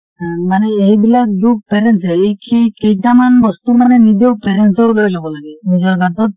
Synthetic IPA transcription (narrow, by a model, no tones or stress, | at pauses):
ɦãmanɛeɦibilak̚dupɛɾɛnsɛikʰikejtamanbɔst̪umanɛnid̪ewpɛɾɛnsɔlojzabɔlaɡɛnid͡ʒɔɹɡat̪ɔt̪̚